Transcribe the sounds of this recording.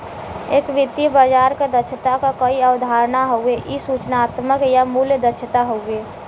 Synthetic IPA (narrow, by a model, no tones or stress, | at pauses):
eːkʋɪt̪ːibəd͡ʒaːɾked̪ət͡ʃʰət̪akakəiəwd̪ʱaɾnaɦoʊeʔisut͡ʃnaːt̪məkjamuljəd̪ət͡ʃʰt̪aɦoue